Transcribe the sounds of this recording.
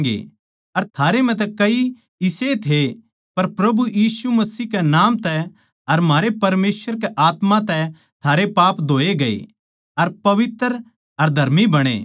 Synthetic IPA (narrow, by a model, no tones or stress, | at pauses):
ɡḛ | ɐɾt̪ʰaːɾem̤ɛ̃t̪̬ɛkɐi | ɪset̪ʰe | pɐɾpɾɐbujiːsumɐsiːɦkenaːmt̪ɛ | ɐɾm̤aːɾepɐɾmeːswəɾk̬eʔaːt̪mãt̪ɛ | t̪ʰaːɾepaːpd̪ʱoːeɡɐḛ | ɐɾpɐʋɪt̪əɾ | ɐɾd̪ʱɐɾmibɐɽ̃ḛː